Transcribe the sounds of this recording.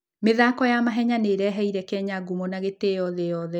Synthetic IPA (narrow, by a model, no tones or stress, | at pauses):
meðakɔjamaɦɛɲaneɾɛɦɛiɾɛkɛɲaɡumɔnaɣetejɔðɛjɔðɛ